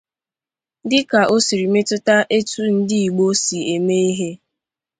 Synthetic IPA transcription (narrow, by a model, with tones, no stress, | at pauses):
dɪ˦ka˨ʔo˦si˨ɾi˨me˦tʊ˦ta˦ʔe˦tu˦n̩˦dɪ˦i˨ɡ͡bo˦si˨e˨me˦i˦ɦe˦